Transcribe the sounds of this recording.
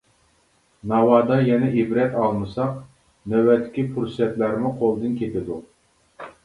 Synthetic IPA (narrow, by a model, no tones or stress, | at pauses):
nɑwɑd̪ɑjɛnɛʔibɾɛt̪ɑlˠmɨsɑq | nɛwɛt̪ʰːɪ̥kʲipʰuɾsɛt̪læɾmuqʰolˠd̪ɨnkʲʰet̪ɪd̪u